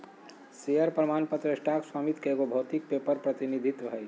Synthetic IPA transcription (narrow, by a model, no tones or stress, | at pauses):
sijəɾpɾəmanpət̪ɾəesʈakswamit̪keɡobʱɐwt̪ik̚pepəɾpɾət̪inid̪ʱit̪bɦəj